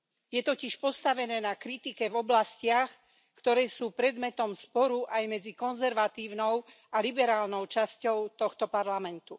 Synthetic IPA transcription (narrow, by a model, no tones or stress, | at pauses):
jɛt̪ɔciʃpɔst̪aʋɛnɛːnakɾit̪ikɛvɔblascɪax | kt̪ɔɾɛːsuːpɾɛd̪mɛt̪ɔmspɔɾuʔajmɛd͡zikɔnzɛɾʋat̪iːʊnɔʊ | alibɛɾaːlnɔʊt͡ʃascɔʊt̪ɔxt̪ɔpaɾlamɛnt̪u